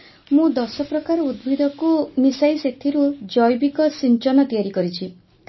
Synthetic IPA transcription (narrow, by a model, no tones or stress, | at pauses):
mũd̪ɔsɔpɾɔkaɾɔud̪bid̪ʱɔkumisajset̪ʰiɾud͡ʒɔjbikɔsint͡ʃɔnɔt̪ijaɾikɔɾit͡ʃʰi